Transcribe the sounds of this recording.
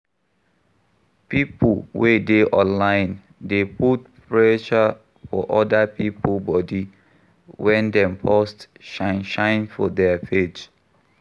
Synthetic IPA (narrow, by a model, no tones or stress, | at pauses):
pipəlwedeʔɔ̃nlãɪn | deputpɹɛʃə | fɔ̰ʔɔdəpiplbɔdi | wɛ̃ndɛ̃mpʰɔstʃanʃãɪ̃nfɔdɛfed͡ʒ